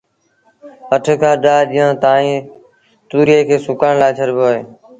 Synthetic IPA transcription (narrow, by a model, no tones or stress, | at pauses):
əʈʰkʰaːɗaːɗɪːjãːt̪aːĩː | t̪uːɾeːkʰeːsʊkaːɳlaːt͡ʃʰəɾboːeː